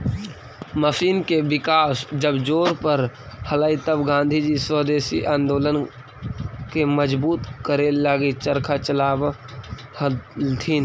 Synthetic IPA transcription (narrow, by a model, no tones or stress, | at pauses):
məsiːnkebɪkaːsd͡ʒəbd͡ʒoːɾpəɾhələit̪əbɡãːnd̪ʱid͡ʒisəɦd̪eːsḭʔãːnd̪oːlən | keməd͡ʒbuːt̪kəɾelaːɡit͡ʃəɾkʰat͡ʃəlaːb | ht̪ʰiːn